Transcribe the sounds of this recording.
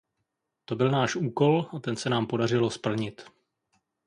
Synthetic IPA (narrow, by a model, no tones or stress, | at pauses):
t̪o̞bɪlnaːʃʔuːko̞lat̪ɛnsɛnaːmpo̞dar̝ɪlo̞spl̩ɲɪt̪